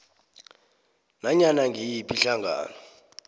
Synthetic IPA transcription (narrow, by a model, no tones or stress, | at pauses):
naɲanaŋʱijipʼiɬaŋʱa̰ːnɔ